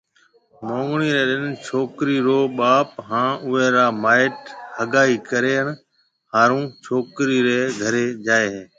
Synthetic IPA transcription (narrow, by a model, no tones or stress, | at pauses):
mõːŋɡɳiːɾeːɗɪnt͡ʃʰoːkɾiːɾoːɓaːpɦãːʊẽːɾaːmaːɪʈhəɡaːiːkəɾeːɦəɳ | haːɾũːt͡ʃʰoːkɾiːɾeːɡʱəɾeːd͡ʒaːeːɦeː